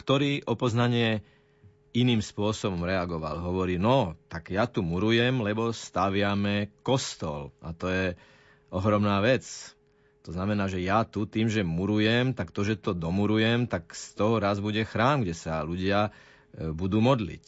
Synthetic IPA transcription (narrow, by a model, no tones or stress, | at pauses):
kt̪ɔɾiːʔɔpɔznaɲɪɛ | iniːmspʊɔsɔbɔmɾɛaɡɔʋa̰lɦɔʋɔɾiːnɔt̪aɡjat̪umuɾujɛmlɛbɔst̪aʋɪamɛkɔst̪ɔlʔa̰t̪ɔjɛ | ɔɦɾɔmnaːʋɛt͡s | t̪ɔznamɛnaːʒɛjat̪ut̪iːmʒɛmuɾujɛmt̪akt̪ɔʒɛt̪ɔd̪ɔmuɾujɛmt̪akst̪ɔɦɔɾazbuɟɛxɾaːmɡɟɛsaluɟɪa | bud̪uːmɔd̪lḭc